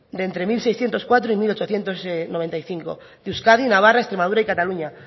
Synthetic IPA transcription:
d̪ent̪ɾe̞milsejsθjent̪o̞skwat̪ɾoimilot͡ʃoθje̞nt̪o̞snoβe̞nt̪ajθiŋko̰ | d̪uskaðinaβ̞arae̞st̪ɾe̞maðuɾaikat̪aluɲa

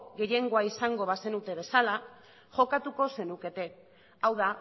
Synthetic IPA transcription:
ɣe̞je̞ŋɡo̞aisaŋɡo̞β̞ase̞nut̪e̞βe̞sala | ʝo̞kat̪uko̞se̞nuke̞t̪e̞ | awða

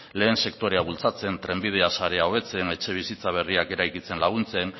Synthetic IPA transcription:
le̞ːnse̞kt̪o̞ɾe̞aβult͡sat͡se̞nt̪ɾe̞mbið̞easaɾe̞ao̞βe̞t͡se̞ne̞t͡ʃe̞β̞isit͡saβ̞e̞riake̞ɾajkit͡se̞nlaɣ̞unt͡se̞n

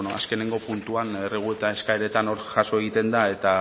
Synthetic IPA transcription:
noaske̞ne̞ŋɡo̞punt̪uanereɣ̞ue̞t̪ae̞skaeɾe̞t̪ano̞ɾʝaso̞eɣ̞it̪e̞nd̪ae̞t̪a

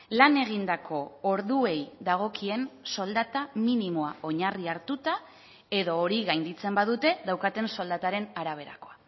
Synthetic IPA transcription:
lane̞ɣ̞ind̪akʰo̞oɾðue̞jðaɣ̞o̞kie̞nso̞ld̪at̪aminimoao̞ɲariaɾt̪ut̪a | e̞ðo̞ːɾiɣajnd̪it͡se̞mbaðut̪e̞ðawkat̪e̞nso̞ld̪at̪aɾe̞naɾaβ̞e̞ɾa̰ko̞a

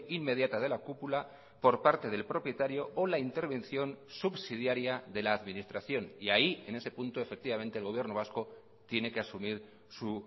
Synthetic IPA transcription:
imme̞ð̞jat̪að̞e̞lakupula | po̞ɾpaɾt̪e̞ð̞e̞lpɾo̞pje̞t̪aɾjo̞ːlaint̪e̞ɾβẽ̞nθjo̞nsubsið̞jaɾjaðe̞laːðminist̪ɾaθjo̞niaie̞ne̞se̞punt̪oe̞fek̚t̪iβamẽ̞nt̪eːlɣo̞βje̞rnoβasko̞ | t̪je̞ne̞ke̞asumiɾ | su

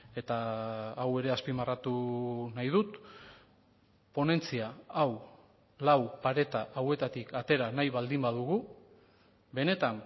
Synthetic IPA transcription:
e̞t̪aːwe̞ɾe̞aspimarat̪unajð̞ut̪ | po̞ne̞nt͡siaaw | lawpaɾe̞t̪aʔawe̞t̪at̪ikat̪e̞ɾanajβald̪imbaðuɣu | be̞ne̞t̪an

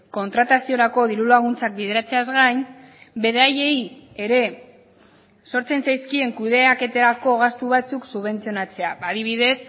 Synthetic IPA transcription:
ko̞nt̪ɾat̪asio̞ɾako̞ðiɾulaɣ̞unt͡sak̚biðe̞ɾat͡se̞azɣajn | be̞ɾaje̞je̞ɾe̞ | so̞ɾt͡se̞nsajskie̞ŋkuð̞e̞ake̞t̪e̞ɾako̞ɣ̞ast̪uβat͡suksuβe̞nt͡sio̞nat͡se̞aaðiβ̞iðe̞s

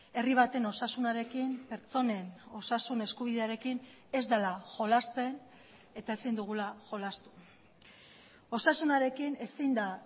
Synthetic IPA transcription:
e̞riβ̞at̪e̞no̞sasunaɾe̞kimpe̞ɾt͡so̞ne̞no̞sasune̞skuβ̞iðe̞aɾe̞kin | e̞zd̪alaʝo̞last̪e̞n | e̞t̪ae̞sind̪uɣ̞ulaʝo̞last̪u̥ | o̞sasunaɾe̞kine̞sind̪a

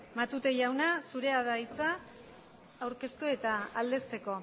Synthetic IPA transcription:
mat̪ut̪e̞jawnasuɾe̞aðajt͡saː | wɾke̞st̪ue̞t̪aːld̪e̞st̪e̞ko̞

